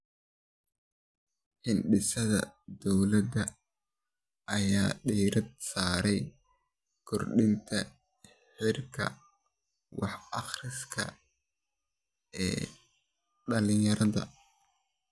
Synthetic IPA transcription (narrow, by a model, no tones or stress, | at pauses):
ħɪnɖɪsɐðɐ̰d̪ɔwlɐd̪ɐ | ʔɐjaːɖiːɾɐd̪̚saːɾɛj | kʰɔrɖɪnt̪ʰɐ | ħɪrkʰɐ̰ | wɑħɑχrɪskʰɐ̰ | ɛ̰ː | ɗɐlɪjɐɾɐðɐ̰